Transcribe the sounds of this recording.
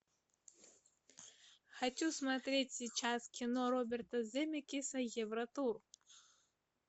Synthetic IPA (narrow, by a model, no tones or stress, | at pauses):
xɐt͡ɕʲusmɐt̪ɾʲetʲsʲit͡ɕaskʲɪnɔɾɔbʲɛrt̪ɐzʲɛmʲɪkʲisɐjɛvɾɐt̪ur